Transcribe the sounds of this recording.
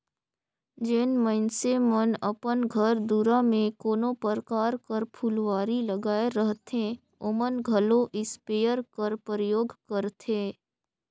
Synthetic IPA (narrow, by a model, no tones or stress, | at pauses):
d͡ʒenmənsemənəpənɡʱəɾd̪uːɾamẽkoːnõpəɾkaːɾkəɾpʰulwaːɾiləɡaːeɾəɦt̪ẽ | oːmənɡʱəlõʔɪspeːjəɾkəɾpəɾəjoːɡkəɾt̪ʰeː